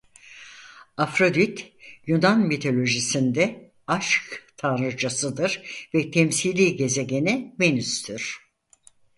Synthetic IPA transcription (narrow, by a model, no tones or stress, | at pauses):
afɾod̪yt̪junanmit̪ʰo̞lʲo̞ʒisind̪ɛ | aʃkt̪ʰaɾɯɾd͡ʒasɯd̪ɯɾvɛt̪ʰɛmsilʲiːɟe̞ze̞ɟe̞nimenyst̪ʰyɾ̥